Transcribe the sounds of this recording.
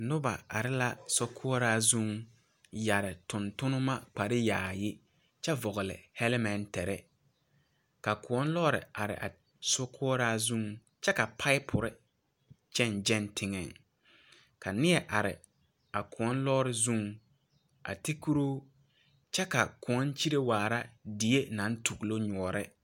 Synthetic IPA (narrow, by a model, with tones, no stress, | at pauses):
nʊ˦ba̰˨a̰˨ɾɪ˦la˦sʊ˦kʰʊ˦ɔ˦ɾaː˦zũ˦ŋ | ja˨ɾɪ˨tʊ˨ntʊ˦nʊ˦ma˦k͡pa˨ɾɪ˦jaː˨jɪ˦ | t͡ʃɛ˦vɔ˨ɣʊ˨lɪ̰˨hɛ˦lɪ˦mɛ˨ntɛ˨ɾɛ̰˦ | ka˨kʊ˨ɔ˦n˦lɔː˦ɾɪ̰˨a˨ɾɪ̰˨ʔa̰˨ | sʊ˦kʰʊ˦ɔ˦ɾaː˦zũ˦˨ŋ | t͡ʃɛ˦ka˨pʰa˦ɪ˦pʰʊ˨ɾɪ˦ | t͡ʃɛ˦˨nd͡ʒɛ˦ntʰɪ˦ŋɛ˨ŋ | ka˨nɪ˦ɛ˦ʔa˨ɾɪ̰˨ | a˨kʰʊ˨ɔ˦nlɔː˦ɾɪ˦zũ˦ŋ | ʔa̰˨tɪ˦ku˦ɾo˦ | t͡ʃɛ˦ka˨kʊ˨ɔ˦nt͡ʃi˦ɾe˦waː˨ɾa˦di˨˦e˦na˨˦n˦tʰu˨ɣlo˦ɲɔ˨ɔ˨ɾɪ˦